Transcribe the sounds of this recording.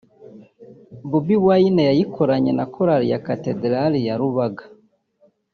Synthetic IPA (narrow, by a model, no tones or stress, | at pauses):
βubiβwainejajikʰoɾaɲenakoɾaɾijakatedɾalijaɾuβaɡḁ